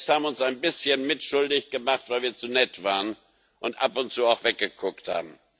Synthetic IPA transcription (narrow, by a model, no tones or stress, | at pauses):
shaːbm̩ʊnsaɪnbɪsçənmɪtʃʊldɪçɡ̥əmaχtv̥aɪlviːɐt͡sunɛtv̥aːʁən | ʔʊntʔa̰pʊntt͡suːaʊxv̥ɛk̚ɡ̥əkʰʊk̚tha̰ːbm̩